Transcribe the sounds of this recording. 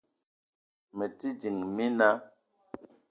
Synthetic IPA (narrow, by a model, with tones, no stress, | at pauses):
mə˨ti˦d͡ʒi˨ŋmi˦na˦